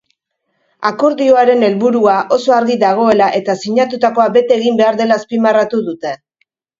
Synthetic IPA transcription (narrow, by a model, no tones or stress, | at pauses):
ako̞ɾðio̞aɾe̞ne̞lβuɾuaʔo̞so̞aɾɣiðaɣ̞o̞e̞laʔe̞t̪asiɲat̪ut̪ako̞abe̞t̪eɣimbe̞aɾðe̞laspimarat̪uðut̪e̞